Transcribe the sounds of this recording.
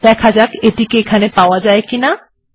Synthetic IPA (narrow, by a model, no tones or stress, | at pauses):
d̪ɛkʰad͡ʑakeʈikeekʰanepaoad͡ʑaekina